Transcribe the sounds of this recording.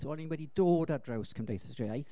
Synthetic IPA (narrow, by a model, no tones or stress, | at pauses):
ɔlɪ̃nwɛdidoːdadɹawskʰə̃mdejθə̥sd̥ɹeajθ